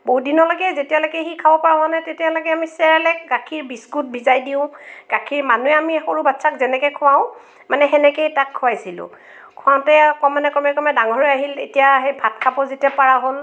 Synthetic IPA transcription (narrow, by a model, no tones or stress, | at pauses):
boɦudinɔlɔɡɛzetijalɔɡɛxikʰabɔpaɹãanɛtetijalɔɡɛamisɛɹɛlɛk̚ɡakʰiɹbiskut̚bʱizajdiʊ̃ɡ̥akʰiɹmanuɛamixoɹubatsakzɛnɛkɛkʰʊwaʊ̃ | manɛɦɛnɛkejtakʰːʊajsilʊ̰̃ | kʰʊaʊ̃tɛɔkɔmanɛkɔmɛkɔmɛdaŋɔɹijaɦilḛtijaɦejbʱatkʰabɔzetiapaɹaɦol